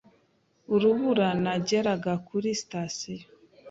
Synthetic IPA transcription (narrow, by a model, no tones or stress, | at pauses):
uɾuβuɾanaɟeɾaɡakʰuɾistasi